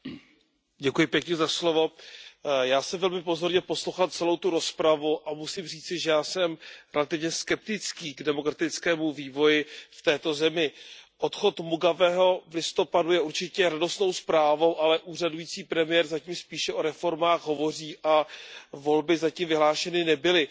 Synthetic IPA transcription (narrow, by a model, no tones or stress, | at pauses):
ɟɛkujɪpjɛkɲɛzaslo̞vo̞ | jaːsɛmvɛlmɪpo̞zo̞ɾɲɛpo̞slowxat̪̚t͡sɛlo̞wt̪uɾo̞spɾavuʔamusimriːt͡sɪʒɛjaːsɛmɾɛlat̪ɪvɲɛskɛp̚t̪ɪt͡skiːɡdɛmo̞kɾat̪ɪt͡skɛːmuviːvo̞jɪft̪ɛːt̪o̞zɛmɪʔot̪xo̞t̪muɡavɛːɦo̞vlɪst̪o̞padujɛuɾt͡ʃɪcɛɾado̞st̪no̞wspɾaːvo̞wʔalɛʔuːradujiːt͡siːpɾɛmɪjɛːɾzaciːmspiːʃɛʔo̞ɾɛfo̞ɾmaːxɦo̞vo̞r̝iːʔavo̞lbɪzaciːmvɪɦlaːʃɛnɪnɛbɪlɪ